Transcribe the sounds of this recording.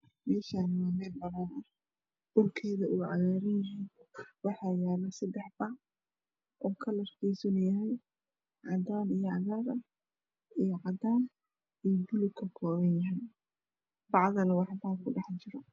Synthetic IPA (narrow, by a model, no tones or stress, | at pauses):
mɛːʃaːnmaːmɛːd̪bɐðɐnɐ | ʊrkʰɛːðɐʔʊʕɑɣaːɾɐnjɐɦinwɑħɑːjaːlɐsɐd̪ɛħbɑʕ | ʔɔːkʰɐlɐrkɛjsɔnjɐɦɛj | ʕɑd̪aːnijɔʕɑɣaːɾɐ | ijɔqɑd̪aːn | ijɔbʊlʊkʰɐkʰɔːβɐnjɐɦɛj | bɑʕðɐnɐwɑħbaːkʰʊɖɑħt͡ʃɪɾɔ